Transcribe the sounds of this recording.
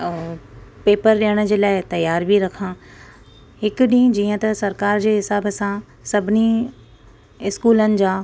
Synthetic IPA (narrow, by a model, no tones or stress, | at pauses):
peːpəɾɗiːəɽ̃ʊ̆d͡ʑeːlaːɪt̪ɐjaːɾbʱiɾɐkʰãː | hɪkʊɗĩːd͡ʑiːə̃t̪ɐsɐɾkaːɾd͡ʑeːɦɪsaːbsã | sɐbʱɪni | ɪskuːlənɪ̆d͡ʑaː